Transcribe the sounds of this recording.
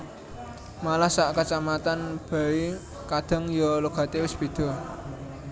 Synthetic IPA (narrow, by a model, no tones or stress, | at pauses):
malahsaʔkat͡ʃamat̪anb̥a̤i | kad̪̥ə̤ŋjɔloɡ̥a̤t̪ewɪsb̥e̤d̪̥ɔ̤